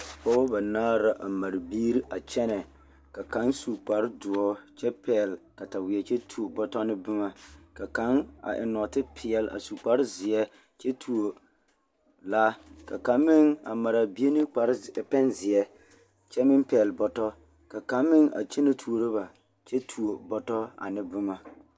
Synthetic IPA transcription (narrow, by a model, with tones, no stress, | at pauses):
pɔ˦ba˨naː˦ɾa˦ʔa˨ma˨ɾbiː˦ɾi˦ʔa˨t͡ʃɛ˦nɛ˨ | ka˨ka˨˦nsu˨k͡pa˨ɾdʊ˨ɔ˦t͡ʃɛ˦pʰɛ˦˨lka˨ta˨wɪ˨ɛ˨t͡ʃɛ˦tʰu˨o˨bɔ˦tɔ˦nɪ˦bɪ˦ma˨ka˨ka˨˦na̰˨ʔɪ̰˨nɔ˨tɪ˦pʰɪ˨ɛ˨la̰˨su˨k͡pa˦ɾɪ˦zɪ˨ɛ˦ | t͡ʃɛ˦tʰu˨o˨ | la˦ka˨ka˨nmːɪ˦ŋa̰˨ma˨ɾa˨bi˦e˦nɪ˦k͡pa˨ɾpɛ˦nzɪ˨ɛ˦ | t͡ʃɛ˦mɪ˦npɛ˨lbɔ˨tɔ˦ | ka˨ka˨˦nmɪ˦ŋa̰˨t͡ʃɛ˦ne˦tʰu˨o˨ɾɨ˦ba˨ | t͡ʃɛ˦tʰu˨o˨bɔ˨tɔ˦a̰˨nɪ˦bɨ˦ma˨